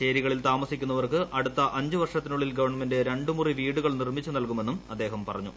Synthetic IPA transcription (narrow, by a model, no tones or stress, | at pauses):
ɕe̞ːɾiɣɐɭilt̪aːmɐsikʲːun̪ːɐʋɐrkɨʔɐɽut̪ːɐʔɐɲd͡ʑuʋɐrʂɐt̪ːinuɭːilɡɐʋɐrɳɐmende̞ɾe̞ɳɖumuriʋiːɽuɣɐɭnirmit͡ɕːunɐlkume̞nːumɐd̪ːe̞ːɦɐmpɐrɐɲːu